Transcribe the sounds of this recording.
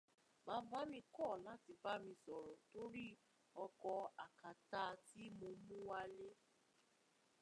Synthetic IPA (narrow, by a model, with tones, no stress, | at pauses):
mã˨˦va˦mĩ˧kɔ˦˨la˦ti˧ba˦mĩ˧sɔ˨ɾɔ˨to˦ɾi˦ | ɔ˧kɔ˧a˨ka˨ta˧˦ti˦mo˧mũ˦wa˦le˦